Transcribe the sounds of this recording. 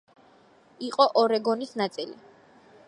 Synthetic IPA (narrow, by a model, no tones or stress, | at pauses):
iqʼɔʔɔɾɛɡɔnisnat̪sʼilḭ